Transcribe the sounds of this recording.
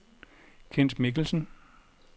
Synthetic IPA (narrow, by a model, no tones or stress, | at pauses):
kʰen̰smiɡ̥l̩sn̩